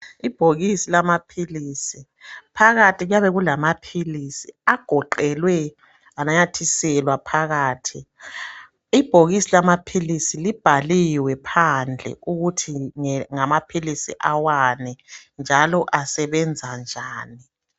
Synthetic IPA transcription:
ib̥ʱoɣisilamapʰilisi | pʰaɣatʰʼiɣujaβɛɣulamapʰilisiaɡ̥ʱɔǃɛlwɛ | anaɲatʰisɛlwapʰaɣaːtʰi | ib̥ʱoɣisilamapʰilisilib̥ʱaliwɛpʰand͡ɮʱɛ̰uɣutʰiŋŋamapʰilisḭʔawanɛnd͡ʒʱalɔʔasɛβɛnd͡zʱand͡ʒʱaːni

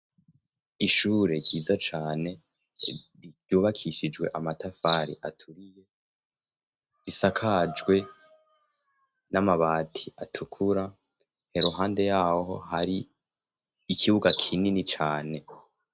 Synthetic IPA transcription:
iʃuːɾe̞ɾɟiːzat͡ʃaːne̞ | ɾi̥juːβakʰiʃid͡ʒwe̞̰ʔamatafaɾḭʔatʰuɾije̞ | ɾisakʰad͡ʒɡwe̞ | namaβaːtʰiʔatʰukʰuɾa | he̞ɾoɦaːnde̞jaːhɦo̞haɾiː | kʰiβuɡakʰininit͡ʃaːne̞

